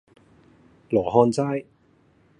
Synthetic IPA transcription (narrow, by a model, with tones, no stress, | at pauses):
lɔː˨˩ɦɔː˧nt͡saː˥j